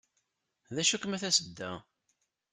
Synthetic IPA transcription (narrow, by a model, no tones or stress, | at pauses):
ðæʃukmæθæsəd̪ːæ